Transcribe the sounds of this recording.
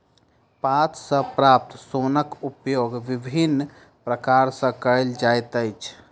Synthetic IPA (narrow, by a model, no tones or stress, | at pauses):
pat̪ʰsə̃pɾap̚t̪sonəkupjoɡʋibʱinː | pɾəkaɾsə̃kəəld͡ʒajt̪əjt͡ʃʰ